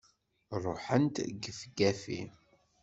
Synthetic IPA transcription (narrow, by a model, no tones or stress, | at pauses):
rˤoħənt̪ɡəfɡæfḭ